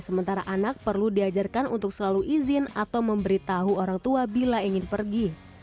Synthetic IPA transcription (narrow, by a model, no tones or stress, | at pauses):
səmənt̪aɾaʔanak̚pərludiad͡ʒarkanṵnt̪ʊk̚səlaluʔizɪnat̪awməmbəɾit̪aɦuoɾaŋt̪uabilaiŋɪnpərɡi